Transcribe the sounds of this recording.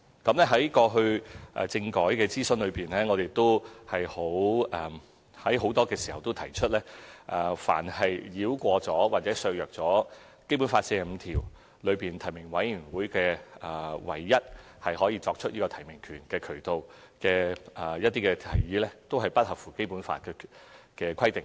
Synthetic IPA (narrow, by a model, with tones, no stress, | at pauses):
kɐ˨˥mnlɛː˥ɦɐ˨˥jkɔː˧ɦɵ˧ɥʔɛ̰˨t͡sɪ˧ŋkɔː˨˥jkɛː˧t͡siː˥sɵ˧nlɵ˨˧ɥpiː˨nɛː˥ŋɔ˨˧ɾe˨jt̪o˥whɐ˨jho˨˥wɛ˨˩ | hɐ˨˥jɦo˨˧˥wt̪ɔː˥kɛː˧siː˨hɐ˨wt̪o˥t̪ʰɐ˨˩jt͡ʃʰɵ˥t̚lɛː˥ʔfa̰ː˨˩nhɐ˨jliː˨˥wkʷɔː˧t͡sɔː˨˥waː˨t̚t͡sɛː˨˥sœ˧jœː˨k̚t͡sɔː˨˥ | ke˥jpuː˨˥nfaː˧t̚sɛː˧˨m̩˨˧t̪ʰiː˨˩w | lɵ˨˧ɥpiː˨˩nt̪ʰɐ˨˩jmɪ˨˩ŋwɐ˨˥jyː˨˩nwuː˨˥jkɛː˧ɐː˨˩wɐ̰˨˩jːɐ˥t̚ | hɐ˨jɦɔː˨˥jiː˧t͡sɔː˧k̚t͡ʃʰɵ˥t̚ʔiː˥kɔː˧t̪ʰɐ˨˩jmɪ˨˩ŋkʰyː˨˩nkɛː˧kʰɵ˨˩t̪o˨w | kɛː˧ʔɐː˨˩jɐ˥t̪̚ːiː˥kɛː˧t̪ʰɐ˨˩jjiː˨˥lɛː˥t̪o˥wɦɐ˨˩jpɐ˥t̚hɐ˨p̚fuː˨˩ke˥jpuː˨˥nfa̰ː˧t̚kɛ˧kɛː˧kʷʰɐ˥jt̪e˨˩ŋ